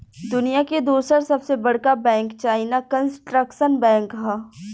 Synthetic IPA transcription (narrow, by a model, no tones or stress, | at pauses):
d̪ʊnijaked̪uːsəɾsɐbsebɐɽ̤kabɛ̃ːŋkt͡ʃaːɪnakənsʈɾəkʃənbɛ̃ːŋkɦɛː